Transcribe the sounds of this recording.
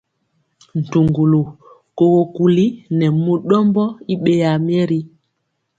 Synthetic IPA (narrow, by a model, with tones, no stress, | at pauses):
n̩˨tu˨ŋɡu˨lu˨ | ko˨ɣo˨ku˨li˦nɛ˨mo˦ɗɔ˦mbɔ˦i˦ɓe˦ja˨mi˦ɛ˦ɾi˦